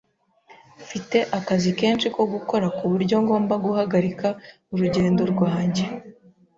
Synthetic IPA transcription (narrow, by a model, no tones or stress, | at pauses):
fite̞ʔakazike̞ːnʃiko̞ɡuko̞ɾakuβuɾɟo̞ŋɡo̞ːmbaɡuhaɡaɾika | uɾuɟe̞ːndo̞ɾɡwaːɲɟe̞